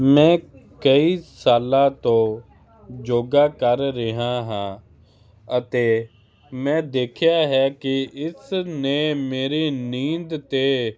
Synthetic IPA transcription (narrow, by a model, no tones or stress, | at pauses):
mɛ̃ːkəiːsaːlaːt̪õː | d͡ʒoːɡaːkəɾːɪɦãːɦãː | ət̪eː | mɛ̃ːd̪eːkʰɪjaːɦɛːkɪɪsneːmeːɾeːnĩːnd̪t̪eː